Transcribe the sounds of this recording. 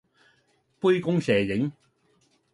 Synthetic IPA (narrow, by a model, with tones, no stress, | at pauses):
pu˥jkʊ˥ŋsɛː˨jɪ˨˥ŋ